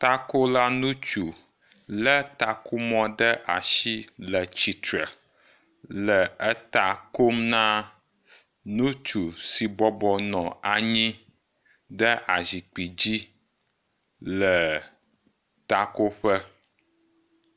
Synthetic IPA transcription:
t̪a˦ko˦la˦nũ˦t͡ʃu˨ | lə˦t̪a˨ku˦mɔ̃˦ɖə˦ʔa˨ʃi˦lə˨t͡ɕi˨t̪ɾə˨ | lə˨ə˦t̪a˨ko˦mnã˦ | nũ˦t͡ʃu˨si˨bɔ˦bɔ˨nɔ̃˨a˨ɲĩ˦ | ɖə˦ʔa˨zi˨k͡pi˨d͡ʑi˦ | lə˨ | t̪a˦˨ko˦ɸə˦

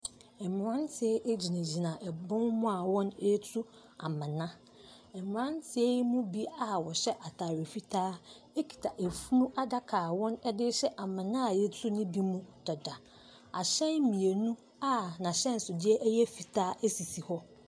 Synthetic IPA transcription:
ɛ˨m˨ɾã˦ntʰɪ˨ɛ˦ʔe˦d͡ʑi˨næ̃˨d͡ʑi˨nã˨ʔɛ˨bɔ̃˦nmʊ̃˦a˨wɔ̃˦ne˦tʰu˦ | a̰˨mã˨nã˦ | ɛ˨m˨ã˦ntʰɪ˨ɛ˦mũ˦bi˦a˦wɔ˨ɕɛ˦ʔa˨tʰaː˨ɾɪ˨fi˦tʰaː˦ | e˦kʰi̥˨tʰa˨ʔe˨fu˦nũ˦ʔa˦da˦kʰaː˨wɔ̃˦nɛ˦dɪ˦ɕɛ˦ʔa˨mã˨nã˦˨jɛ˦tʰu˦nɪ̃˦bi˦mũ˦dɔ˨da˨ | a̰˨ɕɛ̃˦n˦mĩ˨e˨nũ˦ | a˦nã˨ɕɛ̃˦n˨sʊ˨dɪ˦ɛ˦ʔjɛ˦fi˨tʰaː˦æ˦si˨si˨hɔ˦

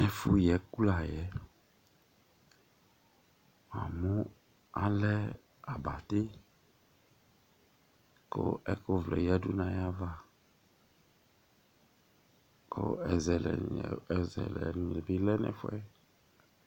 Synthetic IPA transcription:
nɛ̃˨fu˦jɛ˨˦ku˦la˨jɛ˨˦ | m˨a̰˨mũ˦ | a˦lɛ˦ | a˨ba˨t̪e˦ | ko̰˦ɛ˦ko˦vlɛ̰˨jɛ˦du˦nã˨ja˦va˦ | ko̰˦ɛ˨zɛ˨lɛ̰˨zɛ̰˨lɛ̰˨nĩ˨lɛ˨be˦lɛ˦nɛ̰̃˨fu˦ɛ˦

